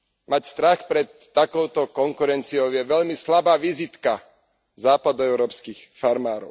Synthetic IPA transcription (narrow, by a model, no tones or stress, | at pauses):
macst̪ɾaxpɾɛt̪ːakɔʊt̪ɔkɔŋkuɾɛnt͡siɔʊjɛʋɛʎmislabaːʋizit̪ka | zaːpad̪ɔɛʊɾɔːpskixfaɾmaːɾɔ̰ʊ